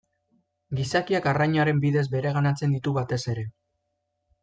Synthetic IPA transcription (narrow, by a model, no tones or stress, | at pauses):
ɡisakiakarajɲaɾe̞mbiðe̞zbe̞ɾe̞ɣ̞anat͡se̞nd̪it̪uβat̪e̞se̞ɾe̞